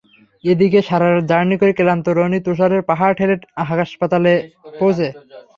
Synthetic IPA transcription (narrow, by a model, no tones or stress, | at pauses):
ed̪ikeʃaɾaɾd͡ʑaɾnikoɾekelant̪oɾonit̪oʃ̬aɾeɾpaɦaɾʈʰeleʈaɦakaʃpat̪alepowt͡ɕʰe